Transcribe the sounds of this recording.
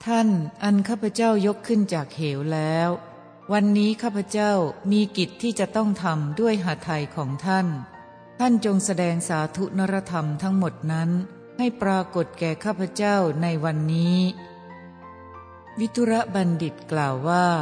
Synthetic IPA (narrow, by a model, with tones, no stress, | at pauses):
t̪ʰa˥˩nʔa˧nkʰaː˥˩pʰa˧˦t͡ɕaː˥˩wjo˦˥kʰːɯ˥˩nt͡ɕaː˨˩k̚heː˩˦wlɛː˦˥w | wa˧nːiː˦˥kʰaː˥˩pʰa˧˦t͡ɕa˥˩wmiː˧ki˨˩t̪ʰːiː˥˩t͡ɕa˨˩ʔt̪ɔ˥˩ŋt̪ʰa˧mdu˥˩əjɦaː˩˦t̪ʰa˧jkʰɔː˩˦ŋt̪ʰa˥˩n | t̪ʰa˥˩nt͡ɕo˧ŋsa˧dɛː˧ŋsaː˩˦t̪ʰu˦˥na˦˥ɾa˦˧˥t̪ʰa˧mt̪ʰa˦˥ŋmo˨˩t̪̚na˦˥n | ha˥˩jpɾaː˧ko˨˩t̪̚kɛː˨˩kʰaː˥˩pʰa˧˥t͡ɕa˥˩wna˧jwa˧nːiː˦˥ | wi˦˥t̪ʰːu˦˥ɾa˦˥ba˧ndi˨˩t̪̚klaː˨˩wːaː˥˩